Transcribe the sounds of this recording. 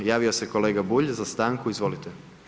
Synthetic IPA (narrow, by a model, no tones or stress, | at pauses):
jaːʋiose̞ko̞le̞ːɡabuʎzast̪aːŋkuizʋo̞lit̪e